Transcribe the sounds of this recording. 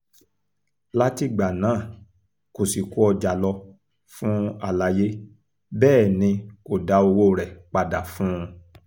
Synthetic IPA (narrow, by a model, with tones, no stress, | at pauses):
la˦ti˧ɡ͡ba˨nãː˨˦˨ | ko˨si˨ku˦ɔ˧d͡ʒa˨lɔ˧ | fũ˦a˦˨la˨˧je˦ | bɛː˦˨nĩ˧ko˨da˨˦o˧wo˦˨ɾɛ˨k͡pa˧da˨fũ˦˧